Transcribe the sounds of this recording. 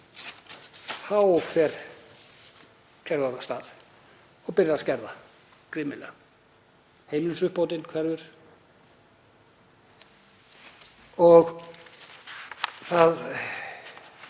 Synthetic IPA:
θawfɛɾ̥ | cʰɛɾɣaðast̪a̰ːð | ɔɣpɪrjaðascɛɾða | kɾɪmɪlɛ | hejmnnsʏhpoːwt̪ɪnkʰvɛɾvʏɾ̥ | ɔɣ | θað

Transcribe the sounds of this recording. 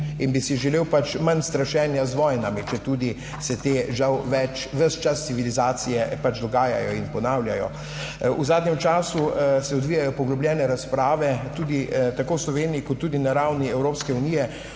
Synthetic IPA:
inbisiʒɛleːwpat͡ʃmanst̪ɾaʃɛːnjazʋɔjnamit͡ʃɛt̪uːd̪i | sɛt̪eːʒawʋɛt͡ʃ | ʋəst͡ʃast̪siʋilizaːt̪sijɛpat͡ʃd̪ɔɡaːja̰jɔinpɔnaːwljajɔ̰ | ṵzaːd̪nɲɛmt͡ʃaːsusɛɔd̪ʋijajɔpɔɡlɔbljʲɛːnɛɾaspɾaːʋɛt̪uːd̪it̪akoːwslɔʋeːnijikɔt̪ːuːd̪inaɾawniɛwɾoːpskɛunijɛ

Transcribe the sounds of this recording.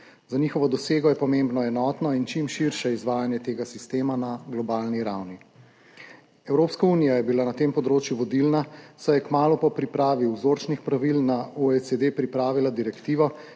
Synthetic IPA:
zaniːxɔʋɔd̪ɔseːɡɔjɛpɔmembnɔɛnɔːt̪nɔint͡ʃimʃiɾʃɛizʋaːjanjɛt̪eːɡasist̪eːmanaɡlɔbalniɾawni | ɛwɾoːpskaunijajɛbilanat̪empɔd̪ɾoːt͡ʃjuʋɔd̪ilnasɔjɛkmaːlupɔpɾipɾaːʋiwzoɾt͡ʃnixpɾaʋilnauɛsed̪epɾipɾaːʋilad̪iɾɛkt̪iːʋɔ

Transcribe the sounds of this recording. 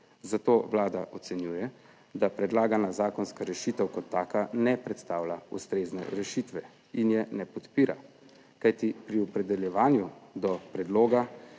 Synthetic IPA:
zat̪oːwlaːd̪aʔɔt̪sɛnjuːjɛ | d̪apɾɛd̪laːɡanazaːkɔnskaɾɛʃiːt̪ɛwkɔt̪ːaːkanɛpɾɛt̪st̪aːwlaust̪ɾeːznɛ̰ɾɛʃit̪ʋɛ | injɛnɛpɔt̪piːɾa̰ | kajt̪ipɾiɔpɾɛd̪ɛljɛʋaːnjud̪ɔpɾɛd̪loːɡa

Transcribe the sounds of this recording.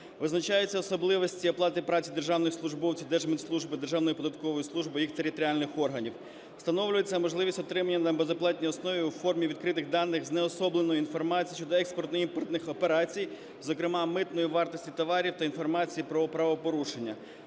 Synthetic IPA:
ʋɪznɐt͡ʃajɛt͡sʲːɐɔsɔblˠɪʋɔsʲtʲiɐplˠɑt̪ɪpɾɑt͡sʲid̪erʒɑwnɔjslˠʊʒbɔwt͡sʲiwd̪ɛʒmɪt̪slˠuʒbɪd̪erʒɑwnɔjipɔd̪ɐt̪kɔʋɔjislˠuʒbɨjixt̪eɾʲit̪ɔɾʲialʲnɪxɔrɦɐnʲiw | st̪ɐnɔʋlʲʊjet͡sʲːɐmɔʒlˠɪʋʲisʲtʲɔt̪ɾɪmɐnʲːɐnɐbezɐplˠɑtʲnʲijɔsnɔʋʲiwfɔrmʲiʋʲid̪̚kɾɪt̪ɪɣd̪ɑnːɪxznɛɔsɔblˠenɔjʊinfɔrmɑt͡sʲijit͡ʃːɔd̪ɔɛkspɔrt̪nɔimpɔrt̪nɪxɔpeɾɑt͡sʲij | zɔkɾɪmɑmɪt̪nɔjiʋɑrt̪ɔsʲtʲit̪ɔʋɑɾʲiwt̪ɐinfɔrmɑt͡sʲijipɾɔɔpɾɐʋɔpɔɾuʃenʲːɐ̰

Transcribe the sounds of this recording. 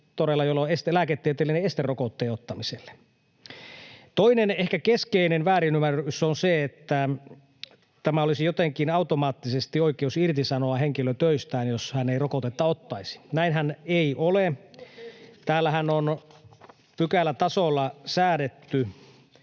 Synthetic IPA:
t̪oɾelːɑjolːoest̪elæːket̪ːiet̪elːineest̪erokot̪ːeːot̪ːɑmiselːe̥ | t̪oinenehkækeskeinenʋæːɾinymærːysonseet̪ːæ | t̪æmæolisijot̪eŋkinɑut̪omɑːt̪ːisest̪ioikˑeusirt̪isɑnoɑheŋkiløt̪øist̪æːnjoshæneirokot̪et̪ːɑot̪ːɑisi̥næinhæneiʔole | t̪æːlːæhænon | pykælːæt̪ɑsolːɑsæːdet̪ːy

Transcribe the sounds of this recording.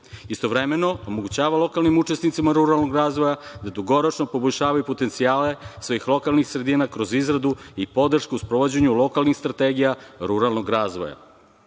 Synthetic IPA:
ist̪o̞ʋɾemeno̞omoɡut͡ɕaːʋalˠo̞kalnimut͡ʃe̞snit̪simaɾuɾalˠnoɡɾaːzʋojad̪ad̪uɡo̞ɾot͡ʂnopo̞bo̞ʎʲʃaːʋajupo̞t̪ent̪siaːlesʋojixlˠo̞kalnixsɾe̞d̪iːnakɾozizɾad̪uipo̞d̪r̩ʃkuuspɾoʋod͡ʑeɲulo̞kalˠnixst̪ɾat̪eɡijaɾuɾalˠnoɡɾaːzʋo̰ja̰

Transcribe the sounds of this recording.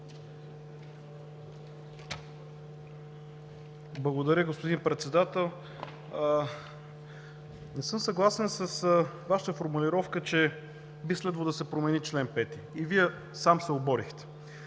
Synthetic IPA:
blˠɐɡod̪ɐɾʲjəɡospod̪inpɾɛt̪sɛd̪at̪ɛlˠ | nɛsɤmsɐɡlˠasɛnsəsvaʃə̥t̪əfoɾmulʲiɾɔfkət͡ʃɛ | bislɛd̪vəd̪əsɛpɾomɛnit͡ʃlɛnpɛt̪iːviɛ | samsɛobɔɾixt̪ɛ̥

